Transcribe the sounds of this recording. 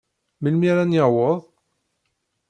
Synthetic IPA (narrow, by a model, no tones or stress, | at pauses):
məlmiɾanjəʁwəðˤ